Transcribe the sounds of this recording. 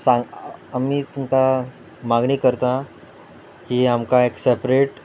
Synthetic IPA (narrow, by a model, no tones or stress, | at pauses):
sãŋɡamiːt̪umka | maɡɳiːkəɾt̪ã | kiːamkaeksepɾeʈ